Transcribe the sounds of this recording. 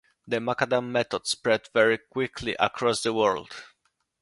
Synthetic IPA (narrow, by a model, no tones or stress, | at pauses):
ðəmakad̪ãmːɛt̪ɔdspɹɛd̪vɛɹikwɪkʰlḭʔa̰kʰɹɔsðəwɜɹld̪̥